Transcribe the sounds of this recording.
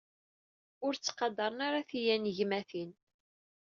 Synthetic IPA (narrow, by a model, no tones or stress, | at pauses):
ʊɾt͡sːqɑd̪ɑɾˤənaɾaθijænʝmæθin